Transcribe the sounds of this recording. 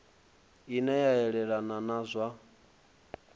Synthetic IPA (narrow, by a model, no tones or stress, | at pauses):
inɛjaɛɺɛɺananazʷa